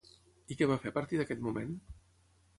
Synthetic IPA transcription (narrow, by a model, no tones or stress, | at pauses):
ikɛβafepəɾt̪iðəkɛt̪mumen